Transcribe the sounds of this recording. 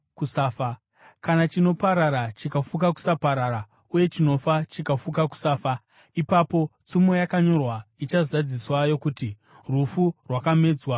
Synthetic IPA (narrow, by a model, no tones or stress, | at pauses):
kusaːfa | kanat͡ʃino̞paɾaɾat͡ʃikafukaku̥sapaɾaɾa | uje̞t͡ʃino̞fat͡ʃikafukaku̥saːfa | ipapo̞t͡sumo̞jakaɲo̞rwait͡ʃazad͡ziswajo̞kuti | rufurwakame̞ːd͡zwa